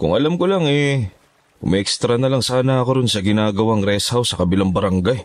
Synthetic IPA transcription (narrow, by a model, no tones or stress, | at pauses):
kʊ̰ŋʔɐlamkolaŋɛ̰ | mɐʔɛkst̪ɾɐnɐlaŋsaːnɐɐkoɾʊnsɐɡɪnaːɡɐwaŋɾɛshɐwsɐkɐbɪlaŋbɐɾɐŋɡaj